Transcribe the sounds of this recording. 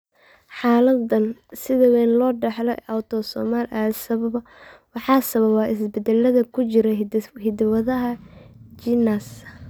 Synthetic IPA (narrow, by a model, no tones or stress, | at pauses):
ħɑːlɐd̪ɐnsɪðɐwɛnlɔːɖɛħlɔʔawt̪ʰɔsɔːmaːlʔasɐβɐβɐ | wɑħɑːsɐβɐβaːʔɪsbɛd̪ɛlɐðɐkʰʊt͡ʃɪɾɛhɪd̪wɐðɐɦɐt͡ʃɪnas